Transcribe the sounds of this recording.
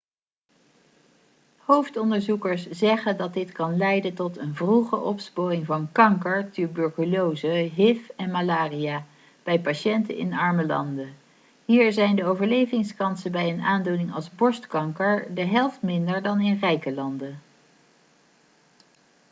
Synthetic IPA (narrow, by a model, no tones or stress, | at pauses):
howftɔndəɹzukəɹszɛχəndɑt̚dɪtkɑnlɛjdəntɔtənvruχə̰ʔɔpsporɪŋvɑnkɑŋkəɹtybøɹkəlowzəɦɪfɛnmalaːrijaː | b̥ɛjpaʃɛntə̰nɪ̰nɑɹməlɑ̰ndə | ɦiːɹzɛjndəowvəɹlejvɪŋskɑnsəbɛjənaːndunɪŋɑ̰lˠzbɔɹstkɑŋkəɹdəɦɛlˠftmɪndəɹdɑnɪnrɛjkəlɑndə